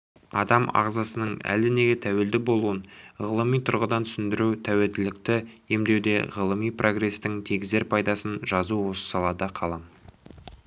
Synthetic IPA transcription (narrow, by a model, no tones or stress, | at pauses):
ɑ̰d̪ɑmɑ̰ʁzɑsənəɴæ̰ld̪ɪne̞ɡʲet̪ʰæwe̞ld̪ɪbo̞lˠuwənʁəlˠəmijt̪ʰʊɾʁəd̪ɑnt̪ʰʏ̥sɪnd̪ɪɾut̪ʰæwe̞ld̪ɪlɪk̚t̪ɪje̞md̪e̞wd̪e̞̰ʁəlˠəmijpro̞ɡre̞st̪ɪŋt̪ʰe̞ɡʲɪze̞ɾpʰɑjd̪ɑsənʒɑzuwo̞sə̥sɑlˠɑd̪ɑqʰɑlˠɑm